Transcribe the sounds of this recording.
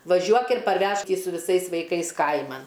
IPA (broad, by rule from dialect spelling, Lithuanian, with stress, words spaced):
ʋɐˈʒʲuɔk ɪr pɐrʲˈʋʲɛʃk ɪ sʊ ʋʲɪˈsɐɪs ʋɐɪˈkɐɪs ˈkɐɪmɐn